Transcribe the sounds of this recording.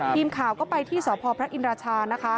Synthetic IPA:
iː˧mkʰaː˩˦wkɔː˥˩pa˧jt̪ʰiː˥˩sɔː˩˦pʰɔː˧pʰɾa˦˥ʔi˧nɾaː˧t͡ɕʰaː˧na˦˥kʰa˦˥

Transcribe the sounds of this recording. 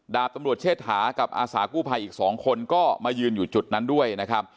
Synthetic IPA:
daː˨˩p̚t̪a˧mɾu˨˩ət̪̚t͡ɕʰeː˥˩t̪̚haː˩˦ka˨˩p̚ʔaː˧saː˩˦kuː˥˩pʰa˧jʔiː˨˩k̚sɔː˩˦ŋkʰo˧nkɔː˥˩maː˧jɯː˧njuː˨˩t͡ɕu˨˩t̪̚na˦˥ndu˥˩əjna˦˥kʰa˦˥p̚

